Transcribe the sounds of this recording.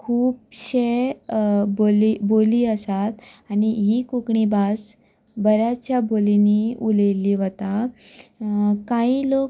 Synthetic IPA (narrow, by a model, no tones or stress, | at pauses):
kʰuːpɕe | boliboliːəsat̪aniɦiːkukɳibas | bəɾjat͡ɕjaboliniulejliʋət̪a | kailo